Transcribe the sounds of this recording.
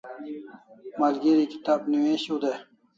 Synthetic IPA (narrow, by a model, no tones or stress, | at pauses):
malɡeɾiki̥t̪aːbniwẽɕud̪e